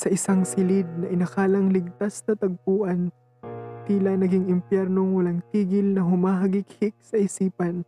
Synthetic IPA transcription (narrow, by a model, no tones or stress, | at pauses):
sɐʔɪsaŋsɪlɪd̪̚nɐʔɪnɐkaːlɐŋlɪɡ̚t̪asnɐt̪ɐɡ̚puːʔɐn | t̪iːlɐnɐɡɪŋɪmpjɛɾnoŋwɐlaŋt̪iːɡɪlnɐɦʊmaːɦɐɡɪkhɪk̚sɐʔɪsiːpɐn